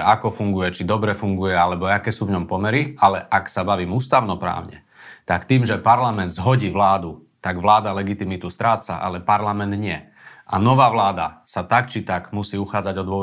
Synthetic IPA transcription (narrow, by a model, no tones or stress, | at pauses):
akɔfuŋɡujɛt͡ʃid̪ɔbɾɛfuŋɡujɛalɛbɔakɛːsuːvɲɔmpɔmɛɾialɛʔaksabaʋiːmuːst̪aʊnɔpɾa̰ːʊɲɛ̰ | t̪akt̪iːmʒɛpaɾlamɛnd̪zɦɔɟiːʋlaːd̪ut̪aɡʋlaːd̪alɛɡit̪imit̪ust̪ɾaːt͡sa̰ʔa̰lɛpaɾlamɛnd̪ɲɪɛ | ʔa̰nɔʋaːʋlaːd̪a̰sat̪ak̚t͡ʃit̪aɡmusiːuxaːd͡zaɟɔd̪ʊɔ